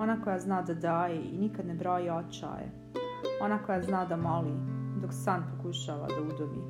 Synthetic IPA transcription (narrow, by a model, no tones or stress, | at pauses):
o̞naːko̞jaznaːd̪ad̪aːjeinikad̪nebɾoːjiot͡ʃa̰ːjḛ | o̞nako̞jaznaːd̪amo̞lid̪oksaːnpokuʃaːʋa̰d̪aud̪obḭː